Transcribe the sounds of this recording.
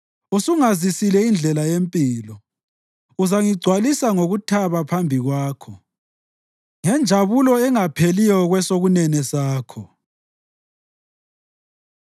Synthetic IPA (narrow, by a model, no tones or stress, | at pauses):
usuŋazisilɛind͡ɮʱɛlajempʼiːlɔ | uzaŋiɡ͡ǀʱwalisaŋoɣutʰaβapʰambʱiɣwaːkʰɔ | ŋɛnd͡ʒʱaβulɔɛŋapʰelijɔɣwɛsoɣunɛnɛsaːkʰɔ